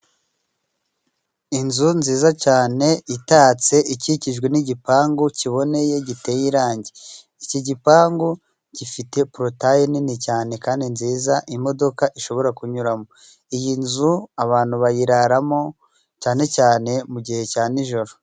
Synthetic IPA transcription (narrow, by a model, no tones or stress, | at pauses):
inzunziːzacaːne̞itaːt͡se̞ʔiciciʒɡwe̞niɟipaːŋɡociβo̞ne̞je̞ɟite̞jiɾaːɲɟe | iciɟipaːŋɡo | ɟ̥ifite̞pɾo̞tajininicaːne̞kaːndinziːzaʔimo̞do̞kaʔiʃo̞βo̞ɾakuɲuɾamo̞ | ijinzuaβaːn̥huβajiɾaɾamo̞ | caːne̞caːne̞muɟihe̞caːniʒo̞ɾo